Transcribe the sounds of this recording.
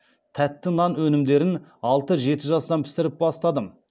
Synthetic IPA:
t̪ʰæt̪ːɪnɑnwɵnɪmd̪e̞ɾɪnɑlˠt̪əʒe̞t̪ɪʒɑsd̪ɑmpʰɪ̥sɪɾɪp̚bɑst̪ɑd̪əm

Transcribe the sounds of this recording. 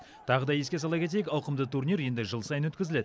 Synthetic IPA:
t̪ʰɑʁəd̪ɑjeskʲe̞s̬ɑlˠɑkʲe̞t̪̬e̞jekʲɑwqəmd̪ət̪ʰurnijɾje̞nd̪ɪʒəlˠsɑjənwɵt̪kʲɪzɪle̞d̪ɪ

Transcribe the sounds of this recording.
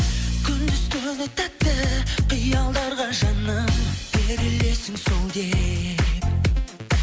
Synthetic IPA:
kʲʰʏnd̪ɪzk̪ʲʰɵnɪt̪æp̚t̪ːɪqʰijɑlˠd̪ɑɾʁɑʒɑnəmb̥eɾɪle̞sɪŋso̞lˠd̪e

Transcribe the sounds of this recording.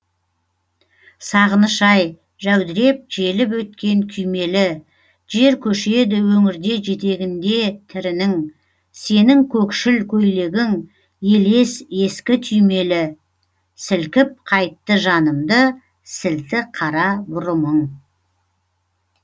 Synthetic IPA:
sɑʁənəʃɑj | ʒæwd̪ɪɾe̞p̚ʒe̞lɪp̬wɵt̪̚kʲe̞ŋkʲʰʏjme̞lɪ | ʒe̞ɾkʲʰɵʃe̞d̪ɪwɵŋɪɾd̪e̞ʒe̞t̪e̞ɡʲɪnd̪e̞t̪ʰɪɾɪnɪŋ | se̞nɪŋkʲʰɵkʃɪlkʲʰɵjle̞ɡʲɪŋ | je̞le̞se̞skʲɪt̪ʰʏjme̞lɪ | sɪlkʲɪp̚qʰɑjt̪ːəʒɑnəmd̪ə | sɪlt̪ɪqʰɑɾɑbʊɾəməŋ

